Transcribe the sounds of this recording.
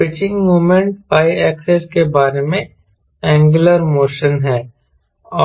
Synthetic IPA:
pɪt͡ʃɪ̃ŋɡmuːmẽɳʈ̚paːiɛːkseskebaːɾemẽ | ɛ̃ːŋɡləɾmoːʃənɦɛː | ɔː

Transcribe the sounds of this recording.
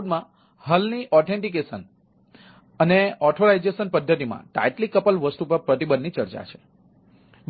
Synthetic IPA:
d̪mã | həlniʔɔʈʰẽɳʈik̬esən | əneɔʈʰoɾajd͡ʒeʃənpəd̪ʱːət̪imã̰ʈa̰jʈlikəpəlʋəsʈ̪upəɾpɾət̪ibənd̪nit͡ʃəɾt͡ʃa̰t͡ʃʰe̥

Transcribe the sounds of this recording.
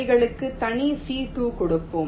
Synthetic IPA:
ɪɣɐɭɯkːɯt̪ɐɳisiːʈuːkɔɽɯpːɯm

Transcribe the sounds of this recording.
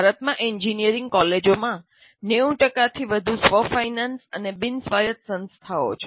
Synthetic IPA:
bʱaɾət̪mãʔiɲd͡ʒinijəɾĩŋɡ̚kɔled͡ʒomã | neũʈəkat̪ʰiʋəd̪ʱusʋəfainansənebinsʋajət̪sə̃nst̪ʰao̰t͡ʃʰe

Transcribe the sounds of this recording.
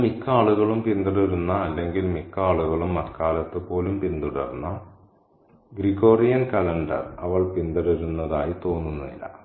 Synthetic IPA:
mikːaːɭuɣɐɭumpind̪ɐɽuɾunːɐːlːe̞ŋɡilmikːaːɭuɣɐɭumːɐrkaːlɐt̪ːɨpo̞ːlumpind̪uɽɐrnːɐ | ɡriɣo̞ːrijɐnkɐlɐɳɖɐ̰rɐʋɐɭpind̪ɐɽuɾunːɐðaːjit̪o̞ːnːunːuḭlːɐ̰

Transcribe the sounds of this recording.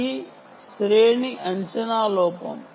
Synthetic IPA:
i | sɾeːɳiʔɐɲt͡ʃɐnaːlɔːpɐ̰m

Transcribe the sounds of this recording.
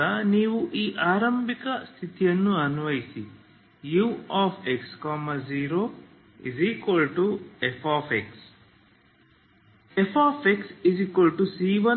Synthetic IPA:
ɐniːʋuʔiːʔaːɾɐmbʱikɐst̪ʰit̪ijɐnːuɐnuʋɐjisi | juːaːfekskɔmaziːɾoː | ḭziːkwɐlʈuefʰaːpeks | epʰaːpeksiziːkʋɐlʈusiːʋɐ

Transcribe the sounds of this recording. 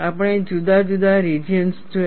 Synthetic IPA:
apəɽ̃ed͡ʒud̪ʱad͡ʒud̪aɾid͡ʒiənssd͡ʒo

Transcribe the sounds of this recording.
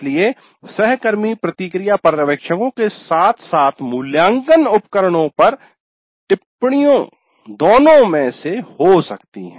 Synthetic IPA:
lie | sɛɦkəɾmipɾɐt̪ikɾijapɐɾɾɐʋeːkʃəkõkesaːt̪ʰsaːt̪ʰmʊljãːŋɡənʊpkəɾəɽ̃õpɐɾ | ʈɪpɽ̃ijõ | d̪oːnõmẽsehosɐk̚t̪ḭɦɛ̃

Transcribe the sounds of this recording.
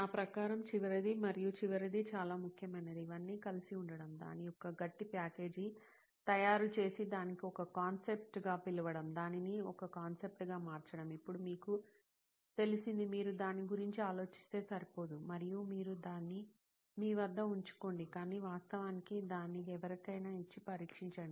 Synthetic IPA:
aːpɾɐkaːɾɐmt͡ʃiʋɐɾid̪imɐɾijut͡ʃiʋɐɾid̪it͡ʃaːlaːmukʰjɐmɐnɐd̪iːʋɐnːiːkɐlisiuɳɖɐɽɐmd̪a̰ːniɔkɐɡɐʈːipaːke̞ːd͡ʒi | t̪ɐjaːɾut͡ʃe̞ːsid̪aːnikiɔkɐkaːnse̞p̚ʈɡaːpiluʋɐɽɐmd̪aːniniɔkɐkaːnse̞p̚ʈɡaːmaːɾt͡ʃɐɽɐmipːuɽumiːku | t̪e̞lisind̪imiːɾud̪aːnːiɡuɾiɲt͡ʃiaːlo̞ːt͡ʃi̥st̪e̞ːsɐɾipo̞ːd̪umɐɾijumiːɾud̪aːnːi | miːʋɐd̪ːɐuɲt͡ʃu̥ko̞ːɳɖikaːniːʋaːst̪ɐʋaːnikid̪aːnːiɛʋɐɾɐkɐjnaːit͡ʃːipɐɾiːkʂiɲt͡ʃɐɽɐm

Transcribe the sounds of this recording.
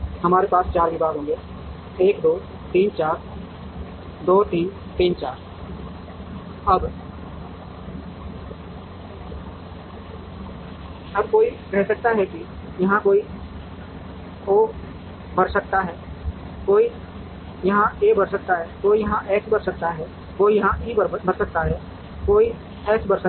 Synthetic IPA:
hɐmaːɾepaːst͡ʃaːɾʋɪbaːɡɦõːɡe | eːkd̪oː | t̪iːnt͡ʃaːɾ | d̪oːt̪iːnt̪iːnt͡ʃaːɾ | ɐb | ɐbkoːikɛɦsək̚t̪aɦɛki | jɐɦãkoːi | oː | bɐɾsək̚t̪aɦɛː | koːi | jɐɦãeːbɐɾsək̚t̪aɦɛːkoːijɐɦãʔɛːsbɐɾsək̚t̪aɦɛː | koːijɐɦãʔibbɐɾsək̚t̪aɦɛː | koːi | ɛːsbəɾsə

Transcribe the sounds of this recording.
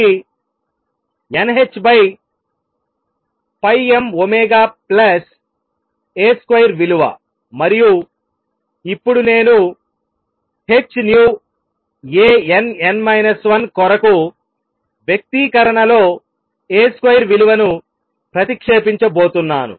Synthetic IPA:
enɦet͡ʃːbɐj | pɐjemomɛːɡaːplɐs | eːskʋɐjɾʋiluʋɐ̰ | mɐɾiju | ipːuɽune̞ːnu | he̞t͡ʃːnjuː | eːenenmɐjnɐsʋɐnkɔɾɐku | ʋjɐk̚t̪ikɐɾɐɳɐlo̞ː | eːskʋɐjɾʋiluʋɐnu | pɾɐt̪ikʂeːpiɲt͡ʃɐbo̞ːt̪unːaːnṵ

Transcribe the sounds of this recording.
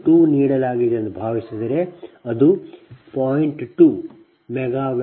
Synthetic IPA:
ʈuːniːɽɐlaːɡid̪eɐnd̪ɐbʱaːʋisid̪ɐɾeɐd̪upaːjiɳʈʈuː | mɛɡaːʋ

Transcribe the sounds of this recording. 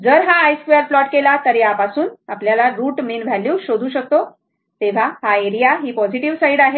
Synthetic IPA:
d͡zəɾɦaːjskuəɾflɔʈkelat̪əɾjapasuːnapljalaɾuːʈminʋʱaliwɕod̪ʱuːɕək̚t̪o | t̪eʋ̤ahaeɾijaɦiːpɔd͡ziʈiʋsaiɖaɦe

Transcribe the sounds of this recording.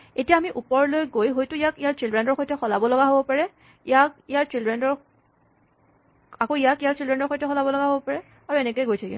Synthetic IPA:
etijaːmiʔupɔɹlojɡojɦojtʊijakijaɹt͡ʃildɹɛndɔɹxojtʰɛxɔlabɔlɔɡaɦobɔpaɹɛ | ijak̚ijaɹt͡ʃildɹɛndɔɹ | akoijakijaɹt͡ʃildɹɛndɔɹxojtɛkʰxɔlabɔlɔɡaɦobɔpaɹɛ | aɹuɛnɛkojɡojtʰakḭ

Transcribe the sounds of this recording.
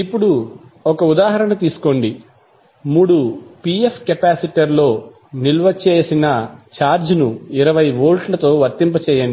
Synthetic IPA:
ipːuɽuɔkɐud̪aːɦɐɾɐɳɐt̪iːsu̥ko̞ɳɖi | muːɽupiepʰːkɐpaːsiʈɐɾlo̞ː | nilʋɐt͡ʃeːsinɐt͡ʃaːɾd͡ʒnuiɾɐʋɐjʋoːlʈlɐt̪o̞ːʋɐɾt̪impɐt͡ʃɛːjɐɳɖi

